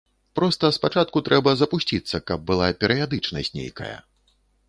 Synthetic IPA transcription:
pɾɔst̪ɐspat͡ʂat̪̚kut̪ɾʔɛbɐzɐpusʲt͡sʲit̪sːɐkɐb̚ːɨlˠapʲɛɾɨjad̪ɨt͡ʂnɐsʲtʲnʲḛjkɐ̰jɐ̰

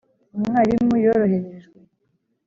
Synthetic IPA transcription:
umuŋaɾimujoɾoheɾeʒɡwe

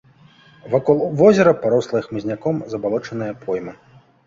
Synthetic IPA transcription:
vakɔlˠvɔzʲɐɾɐpaɾɔslˠɐixmɨzʲnʲakɔmzɐbalˠɔt͡ʂɐnɨjɐpʰɔjmɐ

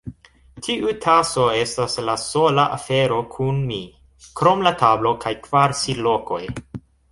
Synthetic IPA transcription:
tʰiʔutʰaso̞e̞staslaso̞laʔafe̞ɾo̞kʰunmi | kɾo̞mlatʰablo̞kʰajkvaɾsilo̞ko̞̰j

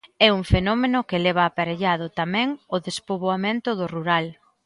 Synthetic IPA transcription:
ɛuŋfenɔmenʊkɪlɛβ̞aːpaɾeʎaðʊt̪amɛ̃ŋʊðespoβoamẽnt̪ʊðʊruɾal

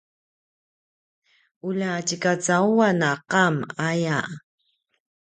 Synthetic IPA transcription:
ulacikat͡sauwanaqamaja

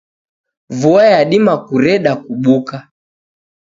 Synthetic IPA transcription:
vuajaɗimakuɾɛɗakuɓuka

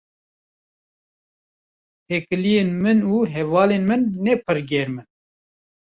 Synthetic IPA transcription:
t̪ʰɛkɨlijeːnmɨnuːɦɛvɑːleːnmɨnːɛpʰɨɾɡɛɾmɨn

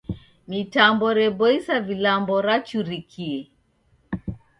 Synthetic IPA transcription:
mitambɔɾɛbɔisavilambɔɾat͡ʃuɾikʰiɛ

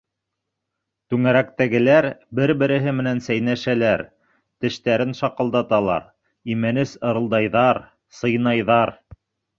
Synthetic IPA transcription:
t̪ʉŋæɾækt̪æɡɘ̆læɾbɘɾbɘ̆ɾɘ̆ɦɘmɘ̆nænsæjnæʃælæɾ | t̪ɘ̆ʃt̪æɾɘnʃɑqɤ̆lˠd̪ɑt̪ɑlˠɑ̰ɾ | imænɘsɤ̆ɾɤ̆lˠd̪ɑjðɑɾ | sɤ̆jnɑjðɑɾ

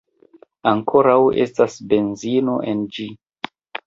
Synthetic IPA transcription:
aŋkʰo̞ɾawe̞̰stasbe̞nzino̞̰ʔend͡ʒi

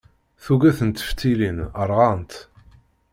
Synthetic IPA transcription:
θuɡæθənt̪ːə̥ft̪ːilinəɾˤʁɑnt̪

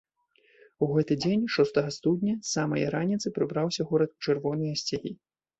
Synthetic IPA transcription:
uɣɛt̪ɨd͡zʲenʲʂɔst̪ɐɣɐst̪ud̪ʲnʲɐsamɐjɐ̰ɾanʲit̪sɨpɾɨbɾawsʲɐɣɔɾɐt̪ut͡ʂɛrvɔnɨjɐsʲt͡sʲaɣʲi

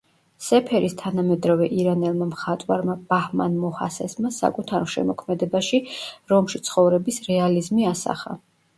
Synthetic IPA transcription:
sɛpʰɛɾist̪ʰanamɛd̪ɾavɛʔiɾanɛlˠmamχat̪ʼwaɾmab̥ahma̰nmɔha̰sɛsmasa̰kʼut̪ʰaɾɔʃɛ̰mɔkʰmɛd̪ɛbaʃiɾɔmʃit̪sʰχɔvɾɛbisɾɛalizmiasa̰χa̰

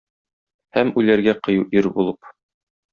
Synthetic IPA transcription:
hæmʉlæɾɡæqɤ̆juʔiɾbulˠɤp

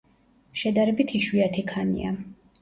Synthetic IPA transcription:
ʃɛd̪aɾɛbit̪ʰiʃwiat̪ʰikʰanḭa

